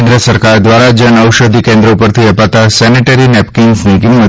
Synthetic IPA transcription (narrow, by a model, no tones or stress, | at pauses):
nd̪ɾəsɐɾkaɾd̪ʋaɾad͡ʒənɐwʃəd̪ʱikẽnd̪ɾəpəɾt̪ʰiɐpat̪asɛneʈəɾinɛp̚kiŋɡsniɡimːə